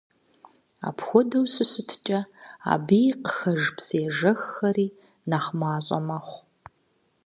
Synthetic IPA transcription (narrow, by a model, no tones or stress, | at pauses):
a̰ːpʰxʷɔdɐwɕʼɨɕʼɨtʰt͡ʃʼɐa̰ːbiːjqəxɐʒpseːʒɐxːɐriː | naχmaːɕʼɐ̰mɐχʷ